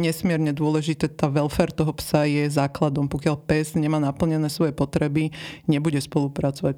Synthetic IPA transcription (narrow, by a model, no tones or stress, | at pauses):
ɲɛsmɪɛɾɲɛd̪ʊɔlɛʒit̪ɛt̪aːʋɛlfɛɾt̪ɔɦɔpsajɛzaːklad̪ɔmpɔkɪalpɛzɲɛmaːnapl̩ɲɛnɛːsʋɔjɛpɔt̪ɾɛbiɲɛbuɟɛspɔlupɾat͡sɔʋac̚